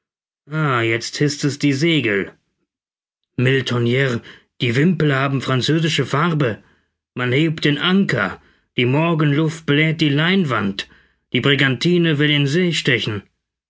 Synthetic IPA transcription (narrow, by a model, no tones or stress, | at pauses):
ʔaːjɛt͡sthɪstɛsd̥iːzeːɡl̩ | mɪltʰɔnjɛʁ | d̥iːvɪmpl̩haːbm̩fʁ̥ant͡søːzɪʃəfaʁbə | manheːp̚t̚d̥eːnʔaŋkɐ | d̥iːmɔɐɡənlʊft̚b̥lɛːt̚d̥iːlaɪnvant | d̥iːbʁɪɡantʰiːnəvɪlɪnzeːʃtɛçn̩